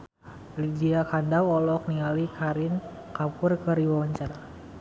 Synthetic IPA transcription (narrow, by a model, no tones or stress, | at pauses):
lidiakandawɔlɔk̚niŋalikʰaɾɪn | kapʊrkəriwawaɲt͡ʃaɾa